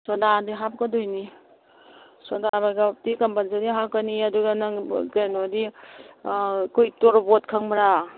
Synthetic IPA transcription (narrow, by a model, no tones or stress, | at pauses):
sɔdadiɦap̚kɔdɔjni | sɔdabaɡatikampansadiɦakaniaduɡanaɡenodi | kujtɔɾbɔt̚kʰaŋmaɾa